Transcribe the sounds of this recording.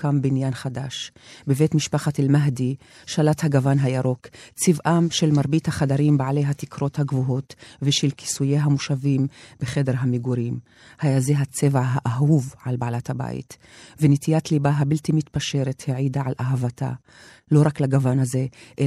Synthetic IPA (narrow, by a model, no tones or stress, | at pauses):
kambinjanχadaʃbevetmiʃpaχatelmaɦdi | ʃalathaɡavanɦajaɾo̞kt͡sivʔamʃe̞lmaʁbithaχadaʁimbaʕale̞jɦatikʁo̞thaɡvuɦo̞tveʃelki̥sujeɦamuʃavimb̥eχe̞de̞ʁɦameɡuɾim | hajazeɦat͡se̞vʕaɦaʔaɦuvʕalbaalathaba̰jḭt | venetijatlibaɦabiltimit̪paʃe̞ʁetheʕidaʕalʔaɦavata̰ | lo̞ʁaklaɡavanhaze̞ʔe